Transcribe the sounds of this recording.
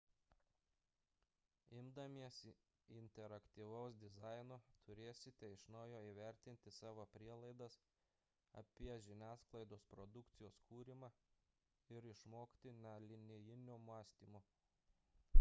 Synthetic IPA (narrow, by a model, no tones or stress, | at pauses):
ɪmd̪ɐmʲiɛs | ɪnʲt̪ʲɛɾɐkt̪ʲiːʋɐʊsd̪ʲɪzɑɪnoːt̪ʰʊɾʲeːsʲɪt̪ʲɛɪʃnɔʊjoːiːʋʲɛɾʲt̪ʲɪnʲt̪ʲɪsɑːʋoːpʲɾʲiɛlˠɐɪd̪ɐs | ɐ̰pʲiɛʒʲɪnʲæːsklˠɐɪd̪oːspɾɔd̪ʊkt̪sʲɪjoːskuːɾʲɪmɑː | ɪɾɪʃmoːkt̪ʲɪnʲɛlʲɪnʲɪjɪnʲʊmɑːsʲt̪ʲiːmʊ